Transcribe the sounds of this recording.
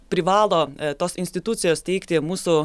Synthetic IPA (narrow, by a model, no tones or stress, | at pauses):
pʲɾʲɪʋɑːlˠoːt̪oːsɪnʲsʲt̪ʲɪt̪ʊt̪sʲɪjoːst̪ʲɛɪkt̪ʲɪmuːsʊ